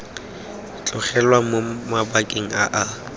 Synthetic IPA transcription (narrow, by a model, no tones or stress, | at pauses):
t͡ɬʼʊχɛlwamomabakʼeŋ̩aʔa